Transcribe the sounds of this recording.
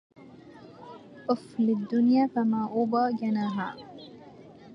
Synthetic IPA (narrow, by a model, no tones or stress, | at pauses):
oflid̪ːunijaːkɐmaːʔubaːɡenaːɦaː